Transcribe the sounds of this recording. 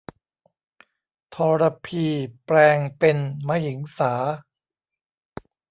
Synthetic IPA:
t̪ʰɔː˧ɾa˧pʰiː˧˩pɾɛː˧ŋpe˧nma˧ji˩˦ŋsaː˩˦

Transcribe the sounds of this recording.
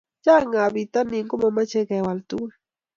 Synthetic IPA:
t͡ʃa˦ŋa˨bi˨t̪a˦ni˨ŋko˦ma˨ma˦t͡ʃe˦ka˨wa˨lt̪u˦

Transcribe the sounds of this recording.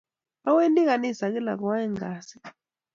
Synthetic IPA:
a˦we˦ndi˦ɣa˨ni˦˨sa˨ki˦la̰˨k̬ɔ˨wa˦ɛ˦ŋɡa˨si̥˦

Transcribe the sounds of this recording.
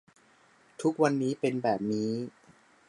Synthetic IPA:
t̪ʰu˦˥k̚wa˧nːiː˦˥pe˧nbɛː˨˩p̚niː˦˥

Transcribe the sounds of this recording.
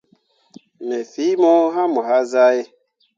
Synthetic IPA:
nɛ˨fi˨˦mɔ̃˦ɦa˦mo˨ɦa˦za˦e˦

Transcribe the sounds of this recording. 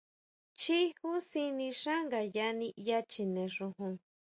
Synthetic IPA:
t͡ʃi˦hu˦si˧nĩ˧ʂã˦ŋɡa˨ja˦˧nĩ˧ja˦˧t͡ʃi˧nẽ˨˧ʐũ˧ɦũ˧

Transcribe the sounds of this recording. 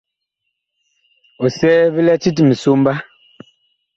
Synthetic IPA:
ɔ˨sɛː˦vi˦lɛ˦t͡ʃi˦t̬i˨mi˨su˦m̩˦ba˦

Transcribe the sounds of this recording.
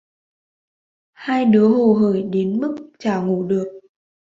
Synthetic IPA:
haː˧jɗɨ˨˦əɦo˨˩ɦəː˧˩jɗe˨˦nmɨ˦˥k̚t͡ɕaː˧˩ŋu˧˩ɗɨ˨˩ək̚

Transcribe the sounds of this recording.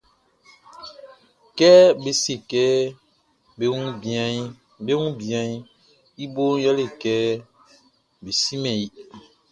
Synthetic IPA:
kɛ˦be˨se˨kɛ˦ | be˦ũ˦˨a˨ | be˦ŋũ˦bi˨a˨˦ | i˦bo˦ja˦le˨kɛ˦ | be˨si˦mɛ̃˨i˦

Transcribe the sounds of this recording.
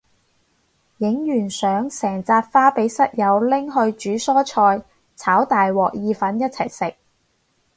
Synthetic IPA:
jɪ˨˥ŋjyː˨˩nsœː˨˥ŋsɛː˨˩ŋt͡saː˧t̚faː˥pe˨˥jsɐ˥t̚jɐ˨˧wlɪ˥ŋɦɵ˧ɥt͡ʃyː˨˥sɔː˥t͡ʃʰɔː˧j | t͡sʰaː˨˥wt̪aː˨jwɔː˨k̚jiː˧fɐ˨˥njɐ˥t̚t͡sʰɐ̰˨˩jsɪ˨k̚

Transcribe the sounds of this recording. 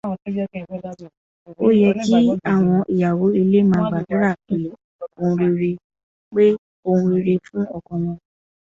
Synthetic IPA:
o˦jɛ˧ti˦a˦˨w̃ɔ̃˧ʔi˨ja˨wo˨˦i˧le˦mãː˧˦ɡ͡ba˨dã˨˦ɾa˦˨fĩ˨˦ | o˧ũ˧ɾi˧ɾe˧ | k͡pe˦ | o˧hũ˧ɾi˧ɾe˧fũ˦ɔ˦˨kɔ̃˧wɔ̃˧

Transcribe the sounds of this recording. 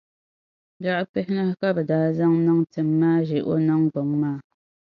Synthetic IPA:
ba˦ʔk͡pɛ˦hɪ˦nɨ˦hka˦bɛ˨daː˦za˦ŋnɨ˦ŋtɨ˨mːaː˦ʒɪ˨ʔo̰˦nɨ˦ŋɡ͡bo˨ŋːaː˦˨

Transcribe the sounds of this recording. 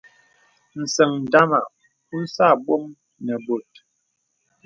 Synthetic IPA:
n̩˨sə˨ŋn̩˨da˦ma˨ | u˦n̩˦sa˦˨ɓwɔ˦ŋ | nɛ˨bo˨t̚

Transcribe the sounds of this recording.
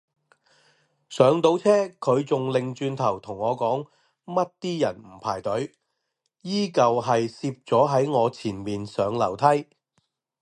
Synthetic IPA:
sœː˨˧ŋt̪o˨˥wt͡sʰɛː˥kʰɵ˨˧ɥt͡sʊ˨ŋlɪ˨ŋt͡ʃyː˧nt̪ʰɐ˨˩wt̪ʰʊ˨˩ŋːɔː˨˧kɔː˨˥ŋ | mɐ˥t̚t̪iː˥jɐ˨˩nm̩˨˩pʰaː˨˩jt̪ɵ˨˥ɥ | jiː˥kɐ˨wɦɐ˨jsiː˧p̚t͡sɔː˨˥ɦɐ˨˥jŋɔː˨˧t͡sʰiː˨˩nmiː˨nsœː˨˧ŋlɐ˨˩wt̪ʰɐ˥j

